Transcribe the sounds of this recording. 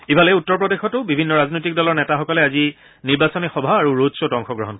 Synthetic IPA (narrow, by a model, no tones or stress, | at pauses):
ibalɛjutːɔɹpɹɔdexɔtʊbibʱinːɔɹaznojtik̚dɔlɔɹnɛtaxɔkɔlɛazi | niɹbasɔnixɔbʱaaɹuɹodsotɔŋxɔɡɹɔɦɔnk